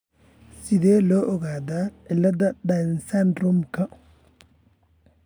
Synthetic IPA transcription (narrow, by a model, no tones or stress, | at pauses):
sɪðɛːlɔːʔɔɣaːðaːɪlːɐd̪ɐɖɐnsɐnrʊmkʰɐ